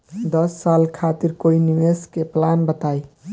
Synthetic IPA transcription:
d̪əsːalkʰat̪iɾkoiniʋeskeplanbət̪ai

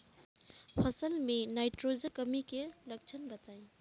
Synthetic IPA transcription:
pʰɐsəlmenajʈɾozəkəmikelək̚t͡ʃʰənbət̪aj

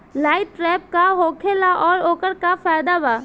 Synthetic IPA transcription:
laːɪtʈɾɛːp̚kaɦoːkʰelaʔɔːɾoːkəɾkafaːjd̪aʋaː

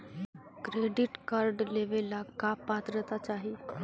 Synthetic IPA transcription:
kɾeɖiʈkaɾɖleʋelakapat̪ɾət̪at͡ɕaɦi

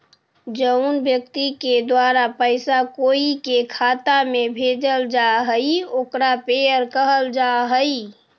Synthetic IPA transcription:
d͡ʒəʊnbjək̚t̪iked̪waːɾapəɪsakoːikekʰaːt̪amẽbʱeːd͡ʒəld͡ʒaɦəioːkɾapejəɾkəɦəld͡ʒaɦəi

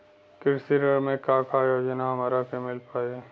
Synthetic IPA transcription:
kɪɾsiɾəɽmẽkaːkʰaːjojenamɐɾakemɪlpaːe

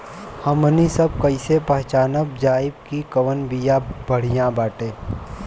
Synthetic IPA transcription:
hɐmənisəb̚kɐɪsepəɦt͡ʃaːnəb̚d͡ʒaːɪb̚kikəʋənbijãbəɽ̤ijãbaːʈeː

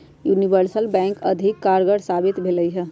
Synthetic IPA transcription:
junibəɾsəlbɛ̃ŋkə̰d̪ʱikːaɾɡəɽsabit̪bʱeləjɦɛ

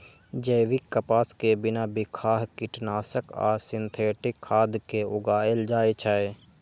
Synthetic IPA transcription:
d͡ʒəːʋɪkːəpaːskebɪnabɪkʰaːɦkɪʈnaːsəka̰ːsɪ̃nt̪ʰeːʈɪkʰːaːd̪keʊɡaːeld͡ʒaːet͡ʃʰaːe

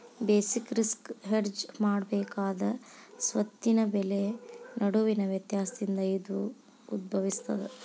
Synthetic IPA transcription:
beːsikɾiskɦeɾd͡ʒmaːɽbɛːkaːd̪ɐsʋɐt̪ːinɐbɛlenɐɽuʋinɐʋjɐt̪jaːsɐd̪ind̪ɐid̪u | ud̪̚bʱɐʋist̪ɐd̪e

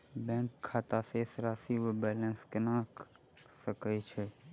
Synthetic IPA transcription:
bɛ̃ːŋkʰːaːt̪asesɾaːsiʋəbɛːlə̃nskənaːk | səkət͡ʃʰe

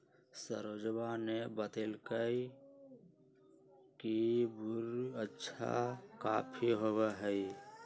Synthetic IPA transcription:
sə̰ɾod͡ʒbanebət̪elkəi | kibuɾətːʃʰa̰kaːpʰiɦoweɦəi

